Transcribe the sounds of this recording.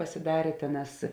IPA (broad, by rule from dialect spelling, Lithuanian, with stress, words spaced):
pɐsʲɪˈdɑːrʲeː ˈtʲeːˌnɑːs